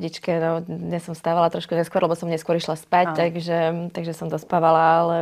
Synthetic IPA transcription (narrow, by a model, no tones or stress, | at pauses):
ɟit͡ʃkɛnɔdɲɛsːɔmst̪aːʋalat̪ɾɔʃkuɲɛskʊɔɾlɛbɔsɔmɲɛskʊɔɾiʃlaspact̪aɡʒɛt̪aɡʒɛsɔmd̪ɔspaʋalaːlɛ